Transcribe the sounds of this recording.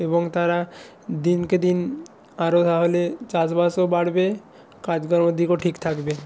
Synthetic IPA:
ebɔŋt̪aɾa | d̪inked̪in | aɾot̪aɦolet͡ʃasbasobaɽbe | kad͡ʑɡɔɾmod̪ʱikoʈʰikt̪ʰakbe

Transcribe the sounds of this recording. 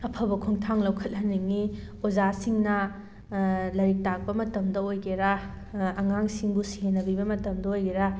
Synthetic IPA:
ɐpʰɐbɐkʰuŋtʰaŋlɐwkʰɐt̚hɐniŋi | ozasiŋnɐ | lɐɾik̚tak̚pɐmɐtɐmdɐojɡeɾa | ɐŋaŋsiŋbusienːɐbibɐmɐtɐmdɐojɡeɾa

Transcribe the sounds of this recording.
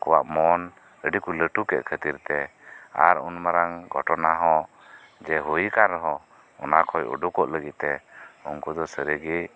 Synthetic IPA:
kɔwaʔmɔn | əɖikuləʈukɛ̰ʔ̪kʰət̪iɾt̪ɛa̰ɾunmaɾaŋɡɔʈɔnaɦɔ̃ | d͡ʒɛɦujikanɾɔɦɔ̃ | ɔ̰nakʰɔjṵɖukɔʔləɡit̪̚t̪ɛuŋkud̪ɔsəɾəɡi

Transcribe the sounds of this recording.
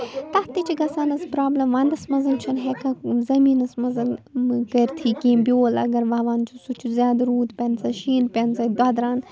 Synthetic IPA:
t̪ɐht̪it͡ʃʰiɡɐsaːnɐspɾaːblɐmʋaːnd̪ɐsmɐzɐnt͡ʃʰɐnɦekɐzɐmiːnɐsmɐzɐnkɐɾʲt̪ʰiːkiːmbʲjoːlɐ̰ɡɐɾʋaːʋaːnt͡ʃʰusut͡ʃʰuzʲjaːd̪ɾuːd̪pʲɐnzɐʃiːnpʲɐnzɐd̪ɐd̪ɾaːn

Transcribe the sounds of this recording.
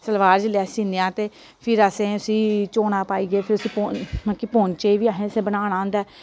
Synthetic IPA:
səlʋaːɾd͡ʒlɛːsiːneãːt̪eː | pʰɪɾəsẽːʊsĩːt͡ʃoːñaːpaːiːɡeːpʰɪɾʊsĩːpomãkiːpoːnt͡ʃeiːʋiːaːɦẽːsẽːbənãːɽãːnd̪ɛː

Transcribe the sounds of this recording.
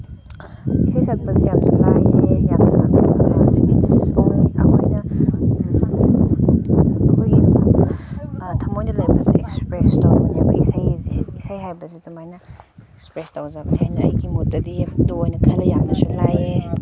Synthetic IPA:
isajsɐk̚bɐzijaktulajejaknanskitsoŋɐ̰kʰojnɐ | ɐkʰoj | tʰɐmojnɐlajbɐzḭekspɾestawnebɐ̰isajzeisajɦajbɐzitɐmajnɐekspɾestawzabɐhajnɐɐ̰jɡimutɐdiduojnɐkʰɐlɐjaŋnɐsulaje

